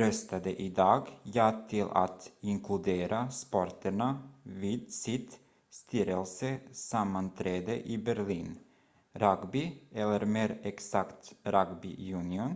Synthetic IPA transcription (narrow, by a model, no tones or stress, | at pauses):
ɾœst̪ad̪əʔɪd̪ɑːɡjɑːt̪ʰɪlʔa̰t̪ɪŋkʰlɵd̪eːɾaspɔɾʈəɳaviːd̪sɪt̪ | st̪ʰiːɾəlsəsamːant̪ʰɾeːd̪əʔɪbæɾɭiːn | ɾaɡbɪʔɛlːəɾmeːɾɛksakt̪ɾaɡbɪ̰jʉːnɪʊn